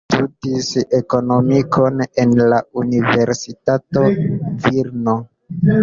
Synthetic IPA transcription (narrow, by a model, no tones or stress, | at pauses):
tudise̞ko̞no̞mikʰo̞ne̞nlaunive̞ɾsitato̞viɾno